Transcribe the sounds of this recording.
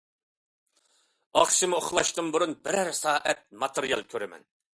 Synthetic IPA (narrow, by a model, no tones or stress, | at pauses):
ɑχʃɨmɨoχlˠɑʃt̪ɨŋbuɾunbɪɾæɾsɑːʔɛt̪̚mɑt̪ʰɨɾijɑ̰lˠkʲʰøɾɛmɛ̰n